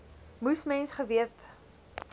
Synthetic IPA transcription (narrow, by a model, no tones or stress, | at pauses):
musmɛnsχəviət